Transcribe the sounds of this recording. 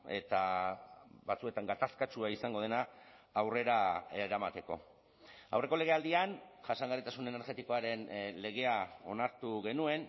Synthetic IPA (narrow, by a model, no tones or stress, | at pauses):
e̞̰t̪a | βat͡sue̞t̪aŋɡat̪askat͡ʃuaisaŋɡo̞ð̞e̞naːwre̞ɾaeɾamat̪e̞ko̞̰ | a̰wre̞ko̞le̞ɣe̞ald̪ianʝasaŋɡaɾit̪asune̞ne̞ɾɣe̞t̪iko̞aɾe̞nle̞ɣ̞e̞ao̞̰naɾt̪uɣe̞nue̞n